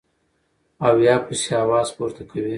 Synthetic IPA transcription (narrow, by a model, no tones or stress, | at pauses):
awjɑːpiseaːwɑːzpuːɾt̪akʰawi